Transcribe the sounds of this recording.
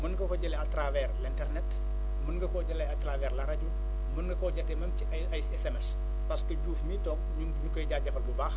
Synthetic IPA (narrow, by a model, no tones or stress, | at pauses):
mɐnɡɐkɔɟɐlɛɐtɾavɛrlintɛrnɛt | mɐnɡɐkɔɟɐlɐjɐtːravɛːrlɐɾɐɟu | mɐnɡɐkɔɟɐtːɛmɐmciɐ | ɐjsɛsɛmɛs | pɐskəɟuːfmitɔŋɲuɲukɔjɟaːɟɐfɐlbubaːx